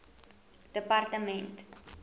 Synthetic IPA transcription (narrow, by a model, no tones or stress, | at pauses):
d̥əpartəmɛ̃nt